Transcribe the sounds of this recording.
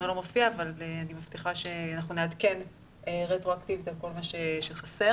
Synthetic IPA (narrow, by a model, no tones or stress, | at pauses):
olomofiaːvaleanimaft̪iχaʃeanaχnunead̪ke̞n | eʁetʁoaktivit̪alko̞lmaʃeʃeχase̞